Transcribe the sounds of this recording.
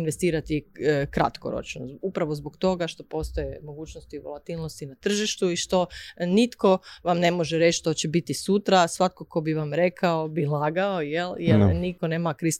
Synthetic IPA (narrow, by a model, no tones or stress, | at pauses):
nʋe̞st̪iːɾat̪ikɾa̰t̪ko̰ɾo̰t͡ʃno̰upɾaʋo̞zbokt̪o̞ɡaʃt̪o̞po̞st̪ojemoɡuːt͡ʃnost̪iʋolat̪ilnost̪inat̪r̩ʒiʃt̪uiʃt̪o̞nit̪ko̞ʋamne̞mo̞ʒeɾet͡ʃt̪o̞t͡ɕebit̪isut̪ɾasʋat̪̚ko̞ko̞biʋamɾe̞kʰaobilˠaːɡaojeljeɾnikoneːmakɾis